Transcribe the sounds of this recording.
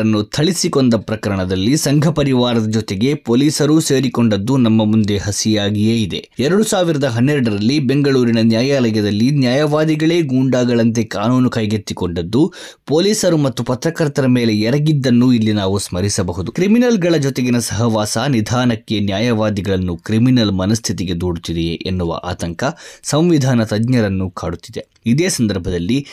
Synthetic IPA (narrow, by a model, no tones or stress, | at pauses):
ɐnːut̪ʰɐɭisiko̞nd̪ɐpɾɐkɐɾɐɳɐd̪ɐlːisɐŋɡʱɐpɐɾiʋaːɾɐd̪ɐd͡ʒɔt̪eɡe̞poːliːsɐɾuseːɾikoɳɖɐd̪ːunɐmːɐmund̪e̞ɦɐsijaːɡijeːid̪e̞̰ | ɛɾɐɽusaːʋiɾɐd̪ɐɦɐnːɛɾuɽɐɾɐlːibe̞ŋɡɐɭuːɾinɐnjaːjaːlɐjɐd̪ɐlːinjaːjɐʋaːd̪iɡɐɭe̞ːɡuːɳɖaːɡɐɭɐnt̪̬e̞kaːnuːnukɐjɡet̪ːiko̞ɳɖɐd̪ːu | po̞ːliːsɐɾumɐt̪ːupɐt̪ɾɐkɐɾt̪ɐɾɐmeːle̞jɛɾɐɡid̪ːɐnːuilːinaːʋusmɐɾisɐbɐɦud̪ukɾiminɐlɡɐɭɐd͡ʒɔt̪eɡinɐsɐɦɐʋaːsanid̪ʱaːnɐkːe̞njaːjɐʋaːd̪iɡɐɭɐnːukɾiminɐlmɐnɐst̪ʰit̪iɡe̞d̪oːɽut̪id̪eʔenːuʋɐ̰ʔa̰ːt̪ɐŋkɐsɐmʋid̪ʱaːnɐt̪ɐdɲɐɾɐnːukaːɽut̪ːid̪e̞ | id̪eːsɐnd̪ɐɾbʱɐd̪ɐlːi